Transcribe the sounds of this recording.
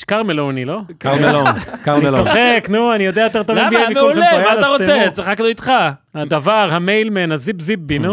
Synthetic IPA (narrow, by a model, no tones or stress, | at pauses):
ʃkaʁmelonilokaʁmelokaʁnieloχeknuanijod̪eajot̪eʁt̪ovbiabimeulejmaalaʁoset͡sʁiχakdoit̪χa | had̪avaʁhamejlmenhazibzibːinu